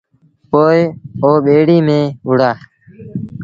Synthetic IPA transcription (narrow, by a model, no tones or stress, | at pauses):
poːɪoːɓeːɽiːmẽːɦʊɽaː